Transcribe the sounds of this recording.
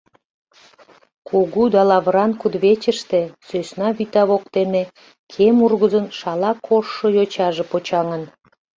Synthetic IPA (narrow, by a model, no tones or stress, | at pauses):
kʰuɣud̪ɑlɑβəɾɑnkud̪βet͡ɕəʃt̪esøsnɑβit̪ɑβok̚t̪eme | kʰemurɣəzənʃɑlɑkʰoʃːojot͡ɕɑʒepot͡ɕɑŋən